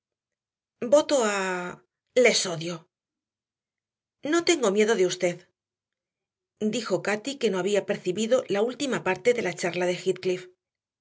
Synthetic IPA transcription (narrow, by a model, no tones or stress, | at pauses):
bo̞t̪o̞a | le̞so̞ðjo̞ | no̞t̪e̞ŋɡo̞mje̞ðoðeust̪e̞ð | d̪ixo̞kat̪ike̞no̞aβiape̞ɾθiβiðo̞lault̪imapaɾt̪e̞ðe̞lat͡ʃaɾlaðe̞xit̪̚klif